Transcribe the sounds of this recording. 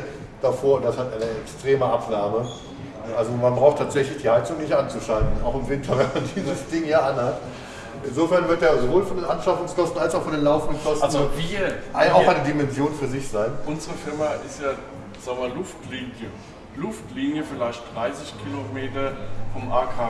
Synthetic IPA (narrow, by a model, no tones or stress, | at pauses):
d̥afoːɐndashataɪnəɛkstʁ̥eːməʔapnaːɐmə | ʔʔalzomanbʁaʊxtʰaːtz̥ɛçlɪçd̥iːhaɪt͡sʊŋnɪçtʔant͡suʃaltn̩aʊxɪmvɪntʰɐvɛnmandiːzəsd̥ɪŋjaːʔanhat | ʔɪnzoːfɛɐnvɪɐtdeːɐzovoːlfɔndeːnʔanʃafʊŋskʰɔstn̩alsaʊfɔndeːnlaʊfn̩dən̩kʰɔsanzoviːɐʔaʔaʊʔaɪnədimɛnzjoːnfyːɐzɪçz̥aɪnʔʊnzəʁəfɪɐmaʔɪstjaː | z̥aŋmalʊftliːnjə | lʊftliːnjəfɪlaɪçtd̥ʁaɪsɪçkʰilomeːtɐfɔmʔakʰaː